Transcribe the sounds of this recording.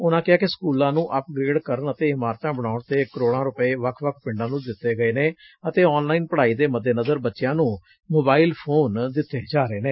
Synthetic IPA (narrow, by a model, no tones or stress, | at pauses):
ʊnãːkɪaːkɪsə̥kuːlãːnũːʔəp̚ɡɾeːɖkəɾənət̪eːɪmaːɾt̪ãːbəɽ̃aːʊɳt̪eːkəɾoːɽãːɾʊpeːʋəkʰʋəkʰpɪ̃ɳɖãːnũːd̪ɪt̪ːeːɡəeːneː | ət̪eːɔːnlaːiːnpəɽaːiːd̪eːməd̪ːeːnəzəɾbətːʃɪjãːnũː | moːbaːiːlpʰoːnd̪ɪt̪ːeːd͡ʒaːɾeːneː